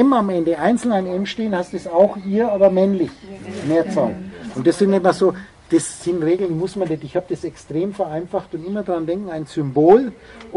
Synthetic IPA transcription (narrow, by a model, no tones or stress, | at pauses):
ɛmamɛndəʔaɪnt͡sl̩naɪnɛmʃteːənhastdɛsaʊxʔiːɐaːbɐmɛnlɪçmeːɐt͡saʊnʊntd̥ɐsɪnnɛtmasoː | d̥ɛssɪnʁeːɡl̩nmʊsmandɛtɪçhaːb̚d̥ɐsɛkstʁ̥eːmfɛɐʔaɪnfaxtʊntɪmɐdʁandɛŋkŋ̩aɪnzʏmboːl